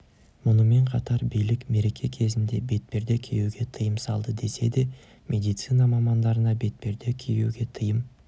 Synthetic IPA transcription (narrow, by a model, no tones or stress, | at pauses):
mʊnəme̞ɴqʰɑt̪ɑɾbijlɪkme̞ɾe̞kʲʰe̞kʲʰe̞zɪnd̪e̞be̞t̪̚pe̞ɾd̪e̞kʲʰejuɡʲe̞t̪ʰɨjəmsɑlˠd̪əd̪e̞se̞d̪e̞ | mʔe̞d̪ijt̪sɨnɑmɑmɑnd̪ɑɾənɑbe̞t̪̚pe̞ɾd̪e̞kʲʰejṵɡʲe̞t̪ʰəjəm